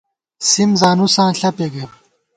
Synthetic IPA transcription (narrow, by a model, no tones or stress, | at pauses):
simzaːnusãːɬɐpeːɡe